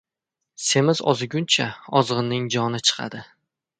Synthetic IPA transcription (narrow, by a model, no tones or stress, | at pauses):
se̞mɪzɒ̰zɪɡʲʊnt͡ʃʰaɒzʁɨnːɪŋd͡ʒɒnɪt͡ʃʰɨ̥qʰɑ̰d̪ɪ